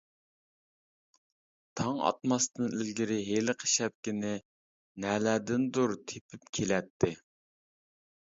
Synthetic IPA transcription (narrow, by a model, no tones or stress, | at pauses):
t̪ʰɑŋɑ̰t̪mɑst̪ɨnilɡʲiɾɪɦelɪqʰə̥ʃɛp̚kʲɪnɪ | nɛlæːd̪ɪnd̪uɾt̪ʰepʰyp̚kʲʰelɛt̪ʰːɪ